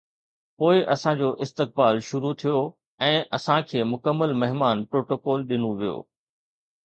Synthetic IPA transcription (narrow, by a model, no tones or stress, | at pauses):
poːɪʔɐsãd͡ʑoːʔɪst̪ɪk̚baːlʃʊɾut̪ʰijo | ɛ̃ːʔɐsãkʰeːmʊkəmːəlmɐɦmaːnpɾoːʈoːkɔːlɗɪnũʋijo̰ː